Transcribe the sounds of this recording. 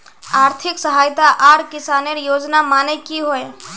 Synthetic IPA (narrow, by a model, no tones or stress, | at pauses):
aːɾt̪ʰɪksəɦaːjt̪aʔaːɾkɪsaːneɾjoːd͡ʒnamaːnekiɦoe